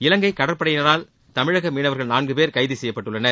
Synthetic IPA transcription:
ɪlɐŋɡɐɪkɐɽɐɾpːɐɽɐjɪnɐɾaːl | t̪ɐmɪɻɐɣɐmiːnɐʋɐɾɣɐɭnaːnɡɯpeːɾkɐɪðɯsɛjːɐpːɐʈːɯɭːɐnɐ

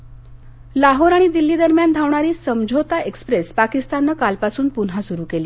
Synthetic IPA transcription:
laɦoɾaɽ̃id̪ilːiːd̪əɾmjand̪ʱaʋɳ̃aɾiːsəmd͡ʑʱot̪aʔekspɾespakist̪anːəkalpasuːnpunɦasuɾuːkeliː

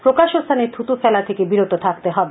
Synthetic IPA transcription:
pɾokaʃost̪ʰaneɾt̪ʰut̪ufʰɛlat̪ʰekebiɾot̪ot̪ʰakt̪eɦɔbe

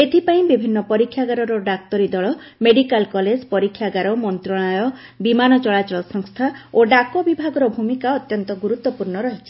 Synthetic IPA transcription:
et̪ʰipaĩbibʱinːɔpɔɾikʰːjaɡaɾɔɾɔɖak̚t̪ɔɾid̪ɔɭɔ | meɖikalkɔled͡ʒpɔɾikʰːjaɡaɾɔmɔnt̪ɾɔɭ̃ajɔbimanɔt͡ʃɔɭat͡ʃɔɭɔsɔŋst̪ʰaoɖakobibʱaɡɔɾɔbʱumikaɔt̪jɔnt̪ɔɡuɾut̪wɔpuɾɳɔɾɔɦet͡ʃʰi̥

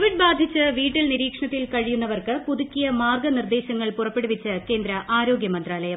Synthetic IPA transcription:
oʋiɖ̚baːd̪ʱit͡ɕːɨʋiːʈːilniɾiːkʂɐɳɐt̪ːilkɐɻijunːɐʋɐrkɨpuðukʲːijɐmaːrɡɐnird̪e̞ːɕɐŋːɐɭpurɐpːeɽuʋit͡ɕːɨke̞ːnd̪ɾɐʔaːɾo̞ːɡjɐmɐnd̪raːlɐjɐ

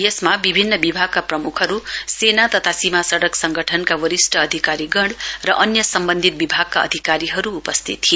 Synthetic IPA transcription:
jesmabibʱinːʌbibʱaɡ̚kaprʌmukʰɦʌɾusenat̪ʌt̪ʰasimasʌɽʌksʌŋɡʱʌʈʰʌnkawʌɾisʈʌːd̪ʱikaɾiɡʌɳɽrʌʔʌnjʌsʌmbʌnd̪ʱit̪̚bibʱaɡ̚kaʌ̰d̪ʱikaɾiɦʌɾuːpʌst̪ʰḭt̪ːʰijo

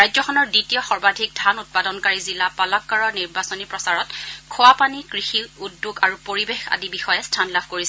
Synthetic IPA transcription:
ɹajzɔkʰxʰɔnɔɹditijɔxɔɹbadʱik̚dʱanut̚padɔnkaɹizilapalɔkːaɹɔniɹbasɔnipɹɔsaɹɔtkʰowapanikɹixiudːuɡaɹupoɹibexa̰dibixɔjɛstʰanlabʱkoɹisɛ

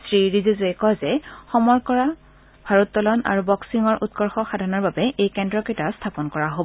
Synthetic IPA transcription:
sɹiɹizizoekɔzɛxɔmɔjkɔɹa | bʱaɹɔtːɔlɔna̰ɹubɔksiŋɔɹʔṵt̚kɔɹxɔxadʱanɔɹbabɛʔejkɛndɹɔketastʰapɔnkɔɹaɦob

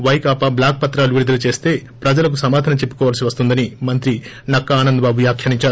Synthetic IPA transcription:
ʋɐjkaːpɐblaːk̚pɐt̪ɾaːluʋiɾud̪ɐlut͡ʃe̞ːst̪e̞ːpɾɐd͡ʒɐlɐk̬usɐmaːd̪ʱaːnɐt͡ʃepːu̥kɔːʋaːlɐsiʋɐst̪und̪ɐnimɐnt̪̬ɾi | nɐkːɐaːnɐnd̪ɐbaːbuʋjaːkʰjɐɾiɲt͡ʃaːɾu

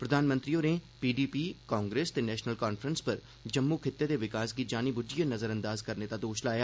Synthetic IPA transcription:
pɾəd̪aːnmə̃nt̪ɾiːoːneːpiːɖiːpiːkaːŋɡɾeːst̪eːnɛːʃnəlkaːnfʰɾənspəɾ | d͡ʒəmːuːkʰɪt̪ːeːd̪eːʋɪkaːsɡiːd͡ʒaːniːbʊd͡ʒijənəzəɾə̃nd̪aːzkəɾneːt̪aːd̪oːʃlaːjaː

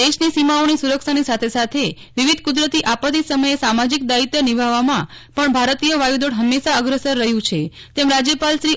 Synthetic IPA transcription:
d̪eʃnisimaonisuɾəkʃanisat̪ʰesat̪ʰe | ʋiʋid̪ʱkud̪ɾət̪iʔapət̪̬isəməjesamad͡ʒik̚d̪ait̪jənibʱaʋamãpəɳbʱaɾət̪ijoʋajud̪oɽɦəmːeʃaəɡɾəsəɾːəɦjũt͡ʃʰet̪emɾad͡ʒjəpalʃɾi

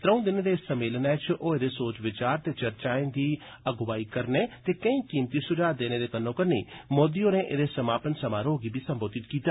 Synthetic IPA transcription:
t̪ɾə̃ũːd̪ɪnd̪eːssəmːeːlnɛːt͡ʃʔoːed̪eːsoːt͡ʃʋɪt͡ʃaːɾt̪eːt͡ʃəɾt͡ʃaːẽːd̪iː | əɡʋaːikəɾneːt̪eːkəĩːkiːmt̪iːsʊd͡ʒaːd̪eːneːd̪eːkənːõːkəɾniːmoːd̪ioːneːʔḛd̪eːsəmaːpənsəmaːɾɦoːɡiːbʱiːsəmboːd̪ɪt̪kiːt̪aː

